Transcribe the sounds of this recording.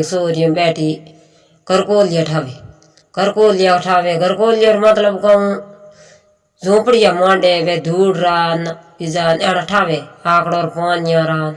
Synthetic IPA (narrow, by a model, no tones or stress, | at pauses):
ksoːɾjũːɓɛːʈiː | kəɾkoːljaːʈʰaːʋeː | kəɾkoːljaːkʈʰaːʋeːkəɾkoːljoːɾmət̪ləbkəũ | zõːpəɽɪjaːmãːɖeːbeːd̪uːɽɾaːn | ɪzaːneːɽaʈʰaːʋeːaːkɽoːɾpaːnjãːɾaːn